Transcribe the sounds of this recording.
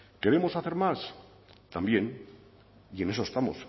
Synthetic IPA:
ke̞ɾe̞mo̞saθe̞ɾmas | t̪ambje̞n | ie̞ne̞s̬oest̪amo̰s

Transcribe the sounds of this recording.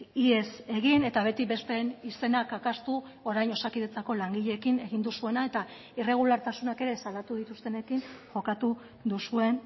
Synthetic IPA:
iese̞ɣine̞t̪aβ̞e̞t̪ibe̞sp̪e̞nise̞nakakast̪u | oɾajno̞sakiðe̞t͡sako̞laŋɡiʎe̞ːkine̞ɣ̞ind̪usue̞nae̞t̪a | ire̞ɣ̞ulaɾt̪asunake̞ɾe̞sald̪at̪uð̞it̪ust̪e̞ne̞kiŋʝo̞kat̪u | d̪usue̞n

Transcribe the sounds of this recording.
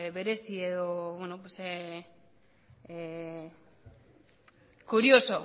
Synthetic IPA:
βe̞ɾe̞sieðoβwenop̬wese | kuɾioso

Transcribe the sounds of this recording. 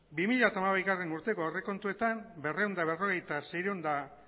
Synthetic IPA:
bimiʎat̪amaβajɣare̞nuɾt̪e̞koore̞ko̞nt̪ue̞t̪ambe̞rewnd̪aβ̞e̞ro̞ɣ̞e̞jt̪asejɾond̪a

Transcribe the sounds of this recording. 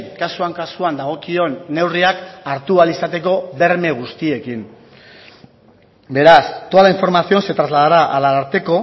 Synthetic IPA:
kasuaŋkasuand̪aɣ̞o̞kio̞nːe̞wriakaɾt̪ualisat̪e̞ko̞βe̞ɾme̞ɣ̞ust̪ie̞kim | be̞ɾast̪oalaiɱfo̞ɾmasio̞nse̞t̪ɾazlað̞aɾaʔːlaaɾt̪e̞ko̞

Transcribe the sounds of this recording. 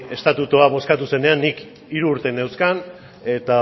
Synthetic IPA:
e̞st̪at̪ut̪uaβo̞skat̪use̞ne̞anːik | iɾuːɾt̪e̞newskan | e̞t̪a

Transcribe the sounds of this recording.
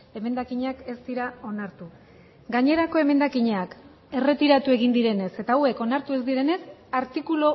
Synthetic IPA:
e̞me̞nd̪akiɲeake̞zd̪iɾao̞naɾt̪u | ɡaɲe̞ɾako̞e̞me̞nd̪akiɲeak | e̞re̞t̪iɾat̪ue̞ɣ̞ind̪iɾe̞ne̞se̞t̪aue̞ko̞naɾt̪ue̞zd̪iɾe̞ne̞saɾt̪ikulo

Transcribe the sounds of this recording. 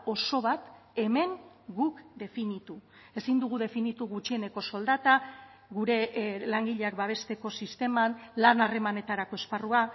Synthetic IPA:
o̞so̞β̞at̪ | e̞me̞ŋ | ɡukd̪e̞finit̪u | e̞sind̪uɣ̞uðe̞finit̪uɣut͡ʃie̞ne̞ko̞so̞ld̪at̪a | ɣuɾe̞laŋɡiʎeak̚baβ̞e̞st̪e̞ko̞sist̪e̞manlanare̞mane̞t̪aɾako̞e̞sparua

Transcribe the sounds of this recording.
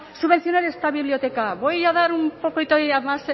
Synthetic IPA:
suβe̞nθio̞neɾest̪aβiβlio̞t̪e̞kaβojaðaɾumpokojt̪ojamas

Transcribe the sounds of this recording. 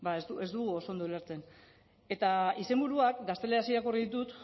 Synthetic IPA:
baezd̪ue̞zd̪uɣuo̞so̞nd̪oleɾt͡se̞n | e̞t̪aise̞mbuɾuakɡast̪e̞le̞asieɾakoriðit̪ut̪

